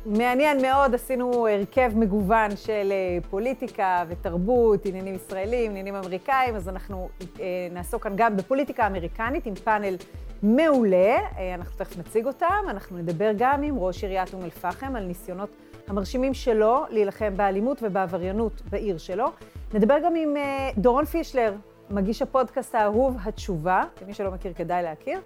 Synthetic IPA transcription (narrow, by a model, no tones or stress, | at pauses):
me̞anje̞nme̞o̞dasinueʁke̞vme̞ɡuvanʃelepo̞litikave̞taʁbutinjanimisʁae̞liminjanimame̞ʁikaimazanaχnunaːsokːanɡambe̞po̞litikaːme̞ʁikanitimpane̞lme̞ule̞anaχnutenat͡siɡo̞tamanaχnuned̪abe̞ʁɡamimʁo̞ʃiʁjatumelfaχemalnisjo̞no̞t | hamaʁʃimimʃe̞lo̞lejilaχe̞mbealimutve̞beavaʁjanutbaʔiʁʃe̞lo̞ned̪abe̞ʁɡamimdoʁonfiʃle̞ʁ | maɡiʃhapo̞dkasthaːɦuvɦatt͡ʃuvaimiʃelo̞mekiʁke̞dajleakiʁ